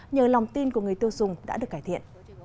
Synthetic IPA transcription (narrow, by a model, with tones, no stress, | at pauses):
ɲəː˨˩la˨˩wŋ͡mt̪i˧nku˧˩əŋɨ˨˩əjt̪i˧əwzʊ˨˩ŋ͡mɗa̰ː˧˥ɨ˨˩kaː˧˩jt̪ʰḭ˧˨ən